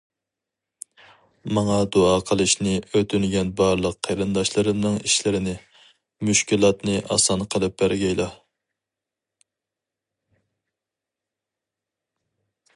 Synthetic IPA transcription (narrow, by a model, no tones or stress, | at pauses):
mɑŋɑd̪oɑqʰəlˠɨʃnɪʔøt̪ʰynɡʲɛnbɑɾlˠəqʰːeɾɨnd̪ɑʃlˠɨɾɨnɨŋiʃlɪɾɪnɪ | myʃkʲilˠɑt̪nɨʔɑ̰sɑnqʰəlˠɨp̚bæɾɡʲɛjlˠɑ